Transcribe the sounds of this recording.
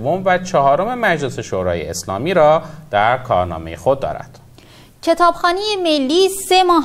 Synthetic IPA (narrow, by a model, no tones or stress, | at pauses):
vomvæt͡ʃʰɒɦɒːɾome̞mæd͡ʒle̞se̞ʃoːɾɒːjḛeslɒ̰ːmiːɾɒːd̪̥æɾkʰɒːɾnɒ̰ːme̞jexod̪̚ːɒ̰ːɾæ̰d̪̥ | cʰet̪ʰɒːb̥xɒːnijemelːiːsemɒːɦ